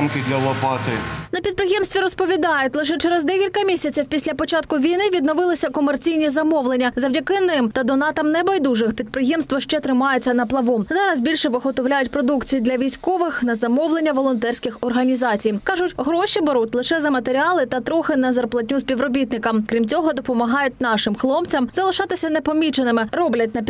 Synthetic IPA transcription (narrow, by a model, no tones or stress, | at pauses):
mkɪd̪ʲlʲɐlˠɔpɑt̪ɪnɐpʲid̪̚pɾɪjɛmst̪ʋʲiɾɔspɔʋʲid̪ɑjʊtʲlˠɪʃ̬ɛt͡ʃɛɾɛzd̪ɛkʲilʲkɐmʲisʲɐt͡sʲiwpʲisʲlʲɐpɔt͡ʃɑt̪kʊʋʲijnɪʋʲid̪nɔʋɪlˠɪsʲɐkɔmert͡sʲijnʲizɐmɔʋlˠe̞nʲːɐzɐwdʲɐkɪnɪmt̪ɐd̪ɔnɑt̪ɐmnɛbɐjd̪uʒɪxpʲid̪̚pɾɪjɛmst̪ʋɐʃt͡ʃɛt̪ɾɪmɑjet͡sʲːɐnɐplˠɐʋuzɑɾɐzbʲilʲʃɛʋɪɦɔt̪ɔwlʲajʊtʲpɾɔd̪ukt͡sʲijd̪lʲɐʋʲijsʲkɔʋɪxnɐzɐmɔʋlˠenʲːɐʋɔlˠɔnt̪ɛrʲsʲkɪxɔrɦɐnʲizɑt͡sʲijkɑʒʊtʲɦɾɔʃibɔɾutʲlˠɪʃɛzɐmɐt̪eɾʲiɑlˠɪt̪ɐt̪ɾɔxɪnɐzɐrplˠɐt̚ʲnʲusʲpʲiʋrɔbʲit̪nɪkɐmkɾʲimt͡sʲɔɦɔd̪ɔpɔmɐɦɑjʊtʲnɑʃɪmxlˠɔmt͡sʲɐmzɐlˠɪʃɑt̪ɪsʲɐnɛpɔmʲit͡ʃenɪmɪrɔblʲɐt̚ʲnɐpʲ